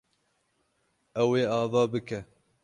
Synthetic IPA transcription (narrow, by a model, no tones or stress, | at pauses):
ɛweːɑːvɑːbɨkɛ